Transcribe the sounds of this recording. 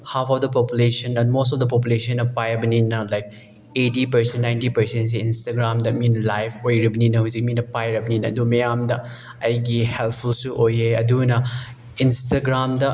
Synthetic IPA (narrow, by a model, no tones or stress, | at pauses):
hapʰɔfdɐpɔpulesɐnɐnmosɔfdɐp̬ɔp̬ulesɔnːɐpajɐbɐninɐlajk̚ | etipɐɾsẽnnajntipɐɾsens̬einstaɡɾamdɐminlajpʰojɾɐbɐninɐɦuzik̚minɐpajɾɐbɐninɐɐdumejamdɐ | ajɡihelpʰulsuʔojeɐdunɐ | instaɡɾamdɐ